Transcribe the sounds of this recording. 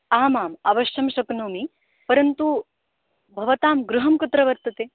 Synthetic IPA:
aːmaːmɐʋɐɕjɐmɕɐknoːmi | pɐɾɐnt̪u | bʱɐʋɐt̪aːmɡɾuɦɐmkut̪ɾɐʋɐɾt̪ɐt̪eː

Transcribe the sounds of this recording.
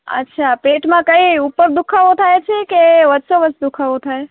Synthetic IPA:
ə̰tːʃʰapeʈmãkəiupəɾd̪ukʰaʋot̪ʰaet͡ʃʰekeʋəd̪soʋəsd̪ukʰaʋot̪ʰae

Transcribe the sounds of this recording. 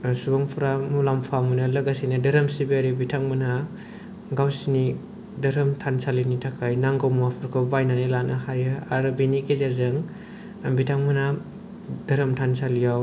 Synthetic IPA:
subaŋpʰuɾamulampʰamunɯlɐɡasinɯdɐɾɐmsibeaɾibitʰaŋmɯna | ɡawsini | dɐɾɐmtʰansalinitʰakʰajnaŋɡawmuapʰɯɾkʰɯbajnanelanʔɯhajɯaɾɯbinikezaɾzɯŋ | bitʰaŋmɯna | d̥ɐɾɐmtʰansalijaw

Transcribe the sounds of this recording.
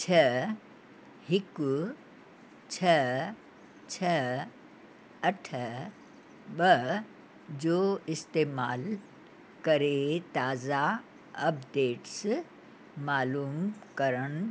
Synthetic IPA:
t͡ʃʰɐ | hɪk | t͡ʃʰɐ | t͡ʃʰɐ | ɐʈʰə | ɓɐ | d͡ʑoːɪst̪eːmaːl | kɐɾet̪aːza | ɐpɖeːʈs | maːluːmkɐɾəñ

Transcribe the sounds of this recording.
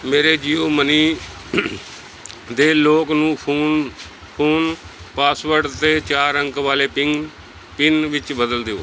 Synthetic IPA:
meːɾeːd͡ʒiːoːməniː | d̪eːloːknũːuː | pʰuːn | paːsʋəɾɖt̪eːt͡ʃaːɾəŋkʋaːleː | pɪnʋɪt͡ʃbəd̪əld̪eo̰ː

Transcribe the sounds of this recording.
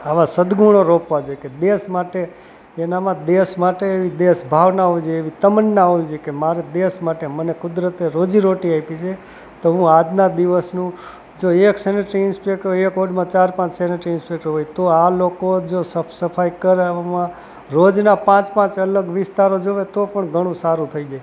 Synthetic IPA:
aʋasəd̪ɡuɽ̃oɾopʋad͡ʒoeked̪eʃmaʈeː | namãd̪esmaʈeːʋid̪esbʱaʋnaɦoid͡ʒeʋit̪əmənːaɦoid͡ʒekemaɾed̪esmaʈemənekʊd̪ɾət̪eɾod͡ʒiɾoʈiaipit͡ʃʰe | t̪oɦũad͡ʒnad̪iʋəsnũ | d͡ʒoekseneʈɾiɪnspek̚ʈoekoɖmãt͡ʃaɾpãt͡ʃseneʈɾiɪnspek̚ʈɾɦojt̪oalokod͡ʒosəsəpʰaikəɾmã | ɾod͡ʒnapãt͡ʃpãt͡ʃələɡʋɪst̪aɾod͡ʒoʋet̪opəɳɡʱəɽ̃ũsaɾũt̪ʰəid͡ʒaj

